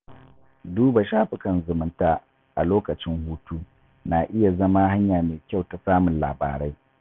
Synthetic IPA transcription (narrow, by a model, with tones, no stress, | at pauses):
duː˦ba˨ʃaː˦ɸɪ˨kɐ˨nzʊ˨mʊ˦ntaː˨ | ʔa˨loː˦kɐ˨t͡ʃɪ˦ŋhuː˦tuː˦ | naː˨ʔɪ˦ja˨zɐ˦ma˦ha˦ɲjaː˨meː˨kʲa˦˨wta˨saː˦mʊ˨nla̰ː˨ba̰ː˨ɾa˦j